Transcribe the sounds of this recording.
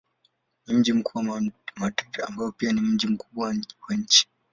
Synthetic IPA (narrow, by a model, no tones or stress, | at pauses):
nim̩d͡ʒim̩kuːwamatataambaɔpianim̩d͡ʒim̩kuɓwawwaɲ̩t͡ʃi̥